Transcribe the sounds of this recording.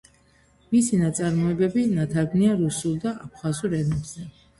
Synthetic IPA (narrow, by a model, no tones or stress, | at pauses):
misinat̪sʼaɾmɔɛbɛbinat̪ʰaɾɡniaɾusulˠd̪aʔap̚ʰχazuɾɛnɛbzɛ